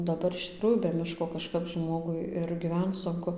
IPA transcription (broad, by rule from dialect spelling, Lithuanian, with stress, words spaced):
dɐˈbɐr ɪʃ tʲɪkˈruːjuː bʲɛ ˈmʲɪʃkoː kɐˈʃkɐp ˈʒmoːɡʊɪ ɪr ɡʲɪˈʋʲɛnt͡s sʊŋˈkʊ